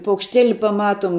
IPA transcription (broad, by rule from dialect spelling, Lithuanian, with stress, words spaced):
pɐʊkʃʲˈtʲeːlʲɪ pɐˈmɑːtoːm